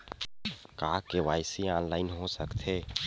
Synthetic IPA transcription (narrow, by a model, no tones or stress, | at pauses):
kaːkeʋaːjsiaːnlaːɪnɦosəkt̪ʰeː